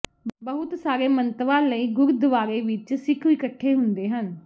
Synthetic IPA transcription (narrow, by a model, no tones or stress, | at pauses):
bəɦʊt̪saːɾeːmənt̪ʋãːləiːɡʊɾd̪əʋaːɾeːʋɪt͡ʃsɪkʰiːkəʈʰːeːɦʊnd̪eːɦən